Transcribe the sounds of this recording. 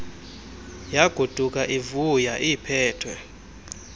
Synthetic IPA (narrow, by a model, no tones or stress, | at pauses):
jaɡ̥ʱud̥ʱuk̬ʼaʔivujaʔipʰɛːtʰwɛ